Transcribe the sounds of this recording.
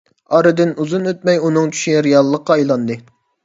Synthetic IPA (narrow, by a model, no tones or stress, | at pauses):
ɑɾɨd̪ɪnuzunøt̪̚mɛjunɨŋt͡ʃʰy̥ʃiɾijɑlˠːəqːɑɑjlˠɑnd̪ɨ